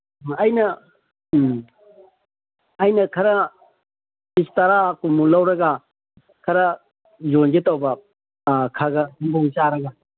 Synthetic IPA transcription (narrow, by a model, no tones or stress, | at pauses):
ɐjnɐ | jnɐkʰɐɾɐ | istaɾakumulawɾɐɡa | kʰɐɾɐ | zonɡetawbɐ | kʰaɡɐhumbɐut͡ʃaɾɐɡa